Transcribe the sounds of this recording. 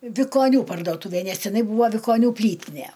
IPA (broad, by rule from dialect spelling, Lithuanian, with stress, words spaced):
ʋʲɪkoːˈnʲuː pɐrdoːˈtuːʋʲeː ˈnʲɛs tʲɪˈnɐɪ ˈbuːʋɐ ʋʲɪkoːˈnʲuː ˈpʲlʲiːtʲɪnʲɛ